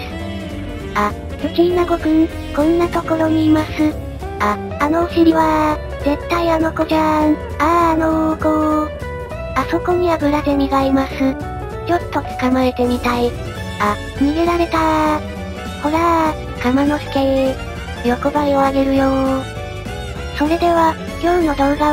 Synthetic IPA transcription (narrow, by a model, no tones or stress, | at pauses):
sɨ̥ | a | sɯkʲiinaɡo̞kɯ̟ | kõ̞nːat̪o̞ko̞ɾo̞ɲ̟iːmasɨ | aː | no̞ːɕiɾʲiβa | ze̞t̪ːaiano̞ko̞d͡ʑaŋ | aːnoɡo | aso̞ko̞ɲ̟ʲiβabɯ̟ɾad̪e̞mʲiɡaimasɨ | t͡ɕo̞t̪ːo̞t͡sɨ̥kamae̞t̪e̞mʲit̪ai | a | mʲiɡeɾaɾe̞t̪a | ho̞ɾa | ɡ̥amano̞ɕi̥t̪e̞ | jo̞ko̞baio̞aɡe̞ɾɯ̟joː | so̞ɾe̞d̪e̞βa | jo̞ɯ̟no̞d̪o̞ːɡa